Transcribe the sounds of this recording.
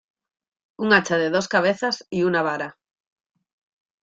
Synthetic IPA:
uŋat͡ʃaðeð̞oskaβ̞eθasiunaβaɾa

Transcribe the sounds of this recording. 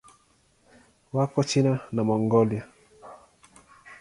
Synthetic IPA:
wakɔt͡ʃinanamɔŋɡɔlja

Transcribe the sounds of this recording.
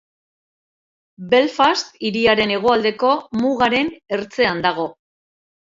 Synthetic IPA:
be̞lfast̪iɾiaɾe̞ne̞ɣ̞o̞ald̪e̞ko̞muɣaɾe̞ne̞ɾt͡se̞and̪aɣ̞o̞

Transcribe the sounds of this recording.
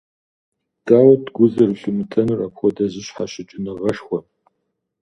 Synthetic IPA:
d̥aːwɐdɡʷʊzɐrɨɬɨmɨtʰʼɐnɨrapxʷɔdɐʑɪɕħaɕɪt͡ʃʼɪnɨʁɐʃxʷɔ

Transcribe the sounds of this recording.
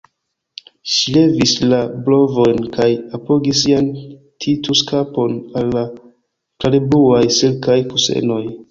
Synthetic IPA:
ʃile̞vislablo̞vo̞jnkajapo̞ɡisːian | tʰituskapo̞nalːa | kaɾebuajselkajkuse̞̰no̞j

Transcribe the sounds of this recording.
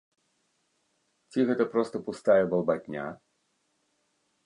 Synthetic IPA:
t͡sʲiɣɛt̪ɐpɾɔst̪ɐpust̪ajɛbɐlˠbat̪ʲnʲa̰

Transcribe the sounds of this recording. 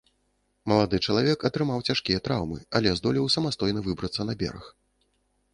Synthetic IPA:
mɐlˠad̪ɨt͡ʂɐlˠavʲɛkɐt̪ɾɨmawt͡sʲaʂkʲijɐt̪ɾawmɨɐlʲɛzd̪ɔlʲiwsɐmast̪ɔjnɐvɨbɾɐt̪sːɐnɐbʲɛ̰ɾɐ̰x

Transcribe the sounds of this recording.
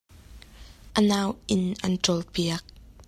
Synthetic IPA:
ʔənaːwʔɪnʔɐ̰nʈ͡ʂɔlpiək̚

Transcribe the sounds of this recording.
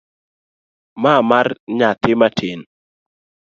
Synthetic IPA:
mamarɲat̪ɪmatʰen

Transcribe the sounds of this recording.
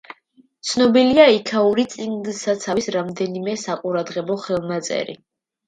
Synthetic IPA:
t̪sʰnɔbiliaikʰauɾit̪sʼiŋdsat̪sʰavisɾamd̪ɛnimɛsaqʼuɾad̪ʁɛbɔχɛlˠnat̪sʼɛ̰ɾḭ

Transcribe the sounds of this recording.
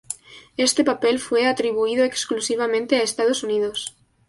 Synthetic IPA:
e̞st̪e̞pape̞lfwe̞at̪ɾiβuiðoeksklusiβ̞amẽnt̪eaest̪að̞o̞suniðos

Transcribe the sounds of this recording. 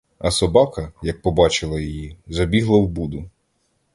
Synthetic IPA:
ɐsɔbɑkɐjɐk̚pɔbɑt͡ʃɪlˠɐjɔjizɐbʲiɦlˠɐwbud̪ʊ

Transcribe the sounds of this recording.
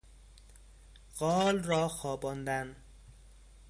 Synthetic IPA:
ɢɒːlrɒːxɒːbɒnd̪æn

